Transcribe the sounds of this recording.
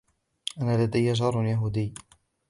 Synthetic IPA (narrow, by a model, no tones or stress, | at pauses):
ʔanaːlad̪ajːad͡ʒɑɾˤnjaɦuːd̪ɪjː